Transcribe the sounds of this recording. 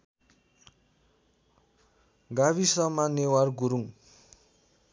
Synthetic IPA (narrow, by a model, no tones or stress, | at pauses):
ɡaβisʌmanewarɡuɾuŋ